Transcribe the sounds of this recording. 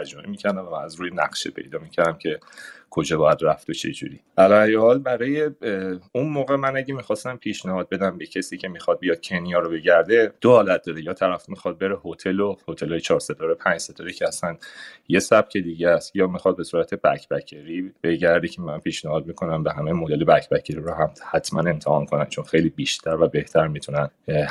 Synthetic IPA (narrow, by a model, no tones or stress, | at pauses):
æd͡ʒɔmḛmiːcʰæɾd̪æɱvææzɾuːjenæ̰χʃepʰe̞̰jd̪ɒːmicʰæɾd̪æmcʰe̞ | kʰo̞d͡ʒɒːbɒːjæd̪ræft̪ot͡ʃʰe̞̰d͡ʒṵɾḭʔælɒæjhɒːlbæɾɒːjeunmoːɣemænæɟemiːxɒːst̪æmpʰiːʃnæhɒːd̪̚be̞d̪æmbecʰesiːcʰe̞mixɒd̪̚bijɒd̪̥̚cʰe̞nijɒːɾobe̞ɟæɾd̪e̞d̪ohɒːlæt̪̚d̪̥ɒːɾejɒːt̪ʰæɾæfmixɒd̪̚be̞ɾehot̪ʰelohot̪ʰelɒːjet͡ʃʰɒːɾset̪ʰɒːɾepʰænd͡ʒset̪ʰɒɾecʰeæsænje̞sæb̥̚cʰe̞d̪iːɟæst̪jɒːmixɒd̪̚be̞suːɾæt̪ʰebæ̰cʰbæcʰeɾib̥e̞ɟæɾd̪ecʰemænpʰiːʃnæhɒːd̪̚mikʰo̞næmbeɦæmejmod̪elebæcʰbæcʰeɾiɾoɦæmhæt̪ʰmʔæ̰ne̞mt̪ʰehɒ̰nkʰonænt͡ʃʰo̞nxe̞jliːbiːʃt̪ʰæɾvæbe̞ht̪ʰæɾmit̪ʰunæn